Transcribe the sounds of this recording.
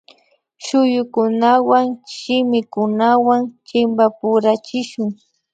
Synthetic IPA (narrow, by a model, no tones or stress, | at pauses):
ʃʊjʊkʊnawaŋʃɪmɪkʊnawaŋt͡ʃɪmbapʊɾat͡ʃɪʃʊŋ